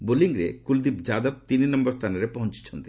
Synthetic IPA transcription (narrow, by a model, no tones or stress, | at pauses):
boliŋɾḛkuld̪ipd͡ʑad̪ab̚t̪ininɔmbɔɾst̪ʰaneɾepɔɦont͡ɕi̥t͡ɕʰond̪i